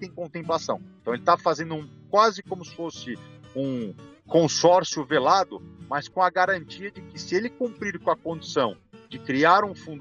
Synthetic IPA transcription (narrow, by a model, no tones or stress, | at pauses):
t̪ẽj̃kõt̪ẽmplasɐ̃w̃eẽt̪ɐ̃w̃elɪt̪afazẽnd̪ʊũkwazɪkõmʊsɪ̥fosɪũkõsɔɾsjʊvelad̪ʊ̰mɐskõɐɡaɾɐ̃nt͡ʃiɐd͡ʒɪkɪsɪelɪkũmpɾiɾkõɐkõd͡ʒisɐ̃w̃ | d͡ʒɪkɾiaɾũfũnd̪